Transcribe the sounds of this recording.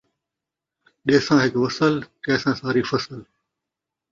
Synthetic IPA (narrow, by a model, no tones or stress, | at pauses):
ɗeːsãːɦɪkʋəsəlkɛːsãːsaːɾiːfəsəl